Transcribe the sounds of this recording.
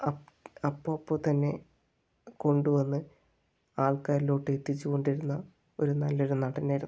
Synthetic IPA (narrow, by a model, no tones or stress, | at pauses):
ɐɐpːoːpːoːt̪ɐnːe̞ | ko̞ɳɖuʋɐnːɨ | aːɭkaːɾilo̞ːʈːet̪ːit͡ɕːuko̞ɳɖiɾunːɐ | o̞ɾunɐlːo̞ɾunɐɽɐnaːjiɾu